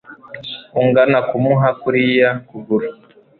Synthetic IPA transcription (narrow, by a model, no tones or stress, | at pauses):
uŋɡanakumuɦakuɾijakuɡuɾu